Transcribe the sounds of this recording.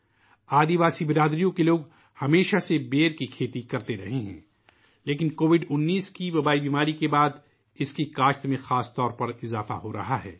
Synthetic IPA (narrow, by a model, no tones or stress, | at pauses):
aːd̪iʋaːsibɪɾaːd̪ɾijõkeloːɡ | hɐmeːʃasebeːɾkikʰeːt̪ikɐɾt̪eɾɐɦeɦɛ̰̃ː | leːkɪnkoːʋɪɖʊnːiːskiʋɐbaːibiːmaːɾikebaːd̪ | ɪskikaːʃt̪mẽxaːst̪ɔːɾpɐɾɪzaːfa̰ɦoɾɐ̰ɦaɦɛ̰ː